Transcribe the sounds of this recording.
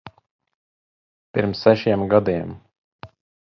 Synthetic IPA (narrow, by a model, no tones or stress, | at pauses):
piɾmsːæʃiɛmɡad̪iɛm